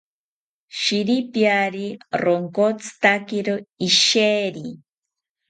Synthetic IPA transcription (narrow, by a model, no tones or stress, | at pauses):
ʃiɾipjaɾiɾoŋkot͡sʰɨ̥t̪akiɾoiʃeːɾi